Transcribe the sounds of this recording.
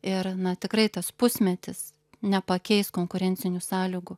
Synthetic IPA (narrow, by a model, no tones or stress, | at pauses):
ɪɾnɐt̪ʲɪkrɐɪt̪ɐspʊsʲmʲɛt̪ʲɪs | nʲɛpɐkʲɛɪskoːŋkʊɾʲɛnʲt͡ssʲɪnʲʊsɑːlʲɪɡʊ